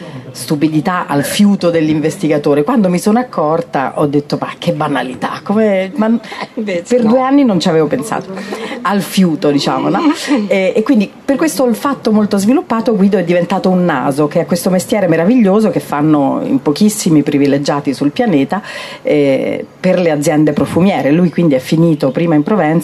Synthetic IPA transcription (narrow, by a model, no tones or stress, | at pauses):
st̪upid̪it̪aʔa̰lfjuːt̪od̪elːiɱvest̪iɡat̪oːɾekwand̪omisonoakʰːɔrt̪a̰ʔɔd̪ːet̪ːoma̰k̟ːebːanalit̪a̰kːomema | perd̪ueanːinont͡ʃiaveːvopensa̰ːt̪o̥alfjuːt̪od̪it͡ʃa̰ːmonɔɛekwind̪iperkwest̪oilfat̪ːomolt̪ozvilupːaːt̪oɡwiːd̪oɛd̪ːivent̪aːt̪ounːa̰ːzokeɛakːwest̪omest̪jɛːɾemeɾaviʎːoːzokefːanːo̰ḭmpokisːimipɾiviled͡ʒaːt̪isulpjaneːt̪a | ɛ̰perlead̪zjɛnd̪epɾofumjɛːɾelujkwind̪iɛfːiniːt̪opɾiːmaimpɾovɛns